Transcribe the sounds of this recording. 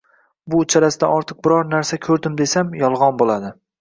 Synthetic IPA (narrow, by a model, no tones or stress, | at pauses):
bʊt͡ʃʰaɾasɪd̪a̰ʔɒɾt̪ʰɨq̚bɪɾɒɾnaɾsakʲʰɵɾd̪ɪmd̪e̞samjɒlˠʁɒnbolˠad̪ɪ